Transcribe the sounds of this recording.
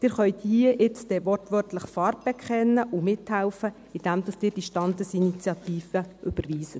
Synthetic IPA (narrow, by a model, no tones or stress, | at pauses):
d̥ɪːɾχœjt̪hiəʔɪt͡sd̥̪ɛʋɔrtʋœrtləχfɑːrt̚b̥ɛkχɛnːəʔʊmɪthælfə | ɪd̥æmd̪ɑsd̥ɪːɾd̥iʃtɑnd̪əsinit͡sjɑt̪iːfəʔʏb̥ərʋiːsə